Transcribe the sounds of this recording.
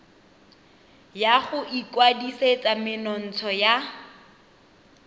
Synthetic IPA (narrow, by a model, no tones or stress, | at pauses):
jaχʊʔikwadiset͡sʼamɪnɔn̩t͡sʰɔja